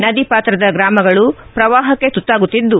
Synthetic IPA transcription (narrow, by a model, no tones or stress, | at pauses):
nɐd̪ipaːt̪ɾɐd̪ɐɡɾaːmɐɡɐɭupɾɐʋaːɦɐkːe̞t̪ut̪ːaːɡut̪ːid̪ːu